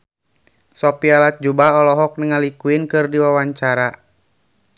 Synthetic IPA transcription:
sɔpialat̪̚d͡ʒubaɔlɔɦɔk̚nəŋalikuinkɨrdiwawaɲt͡ʃaɾa

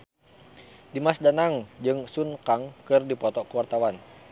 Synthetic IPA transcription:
dimasdanaŋd͡ʒɨŋsunkaŋkɨrdipɔt̪ɔkəwart̪awan

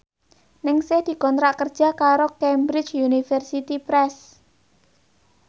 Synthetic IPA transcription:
nɪŋsehd̪̥i̤kɔnt̪ɾaʔkərd̥ʒ̥a̤kaɾokɛmbɾɪt͡ʃunifərsit̪ipɾɛs

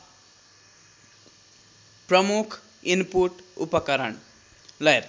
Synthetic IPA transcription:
prʌmukʰ | inpuʈupʌkʌɾʌɳ | lʌjɾ

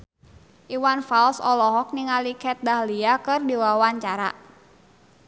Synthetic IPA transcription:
ʔiwanfalsɔlɔɦɔk̚niŋalikɛt̪̚dahliakɨrdiwawaɲt͡ʃaɾa̰

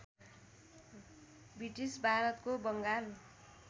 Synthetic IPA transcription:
briʈisbʱaɾʌt̪kobʌŋɡal

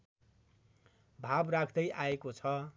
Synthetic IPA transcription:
bʱabrakʰd̪ʌjʔaekot͡sʰʌ

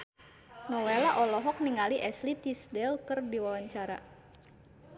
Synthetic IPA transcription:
nɔwɛlaʔɔlɔɦɔk̚niŋaliʔɛslit̪isdɛlkərdiwawaɲt͡ʃaɾa̰

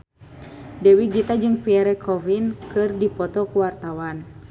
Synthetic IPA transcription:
dɛwiɡit̪ad͡ʒɨŋpiɛɾɛkʰɔvinkɨrdipɔt̪ɔkuwart̪awan

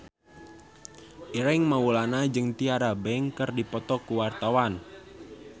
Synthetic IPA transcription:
ʔiɾɛŋmawulanad͡ʒɨŋt̪iaɾabɛŋkɨrdipɔt̪ɔkuwart̪awan

